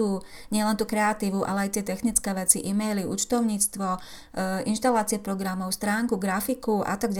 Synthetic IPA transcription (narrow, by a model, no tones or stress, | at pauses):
uː | ɲɪɛlɛnt̪uːkɾɛat̪iːʋuʔa̰lɛajt̪ɪɛt̪ɛxnit͡skɛːʋɛt͡siʔimɛjliʔṵːt͡ʃt̪ɔʊɲiːt͡st̪ʋɔ | inʃt̪alaːt͡sɪɛpɾɔɡɾamɔʊst̪ɾaːŋkuɡɾafikuʔa̰t̪aɡɟ